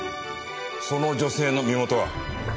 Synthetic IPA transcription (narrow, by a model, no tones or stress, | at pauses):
sonod͡ʑo̞se̞ːnomʲimo̞t̪oβa̰